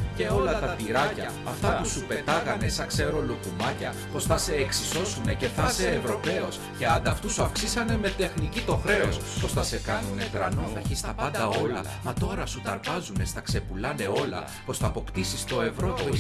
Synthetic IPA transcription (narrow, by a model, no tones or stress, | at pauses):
ce̞o̞lɐt̪ɐpiɾɐcɐːft̪ɐpusupe̞t̪ɐɣɐne̞sɐkse̞ɾo̞lokumɐcɐ | po̞sθɐse̞ːksiso̞sune̞ce̞θɐse̞ːvɾo̞pe̞o̞sce̞ɐnd̪ɐːft̪usuɐfksisɐne̞me̞t̪e̞xnicit̪o̞xɾe̞os | po̞st̪ɐse̞kɐnune̞t̪ɾɐnoθɐçist̪ɐpɐnd̪ɐo̞lɐ̰ | mɐt̪o̞ɾɐsut̪ɐɾpɐzune̞st̪ɐkse̞pulɐne̞o̞lɐ̰ | po̞sθɐːpo̞kt̪isist̪o̞e̞vɾo̞